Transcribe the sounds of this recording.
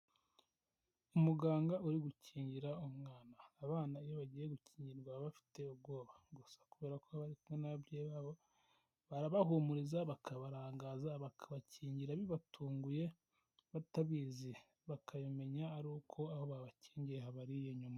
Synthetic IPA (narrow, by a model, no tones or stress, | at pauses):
umuɡaːŋɡauɾiɡucʰiːɲɟiɾaumŋaːnaːβaːnaijoβaɟiːje̞ɡuciːɲɟiɾɡwaβafi̥te̞ubɡo̞ːβaɡusḁkuβe̞ːɾakoβaɾikumŋenaββɾeβaβo | βaɾaβaɦumuɾizaβakʰaβaɾaːŋɡaːzaβakʰaβaciːɲɟiɾaβiβatʰuːŋɡuje̞ | βataβiːzi | βakajome̞ɲaːɾuːkʰo̞aho̞βaβaciːɲɟiɾeɦaβaɾijeɲuma